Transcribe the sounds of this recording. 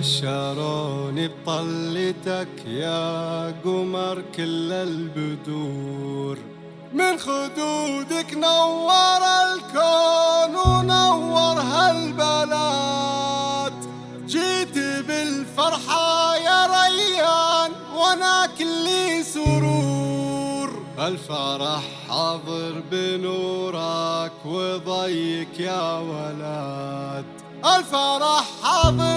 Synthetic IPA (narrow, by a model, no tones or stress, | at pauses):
ʃɑɾˤɑːnib̚t̪ˤɑlːɪt̪akjaɡʊmɑɾˤkɪlːalbʊd̪uːɾ | mɪnxʊd̪ud̪ɪknawːɑɾˤalkanunawːɑɾˤɦalbala | t̪ | d͡ʒiːt̪ibɪlfɑɾˤħajaɾˤɑjːan | wanaklisʊɾu | ɾʔalfaɾˤɑħːɑðˤɨɾbɪnuɾˤɑkwɪðˤɑjːɪkjawalad̪ | ʔalfɑɾˤɑħːɑðˤɨ